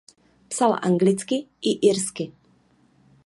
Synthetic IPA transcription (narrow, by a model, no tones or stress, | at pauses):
psalʔa̰ŋɡlɪt͡skɪʔɪʔiɾskɪ